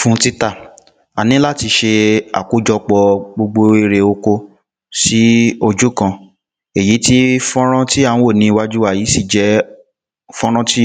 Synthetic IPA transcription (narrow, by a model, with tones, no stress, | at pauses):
fũ˦ti˦ta˦˨ | a˨nĩ˨˦la˦˨ti˧ʃe˧a̰˨ku˨˦d͡ʒɔ˧k͡pɔ˧ɡ͡bo˧ɡ͡bo˧e˧ɾe˧o˧ko˧ | si˦o˧d͡ʒu˦kã˧ | e˨ji˨˦ti˦fɔ̃˦ɾ̃ã˦ti˦ã˨˧˦wo˦˨nĩ˧wa˦d͡ʒu˦wa˦˨jiː˨˦si˦˨d͡ʒɛ˨˦ | fɔ̃˦ɾ̃ɔ̃˦ti˦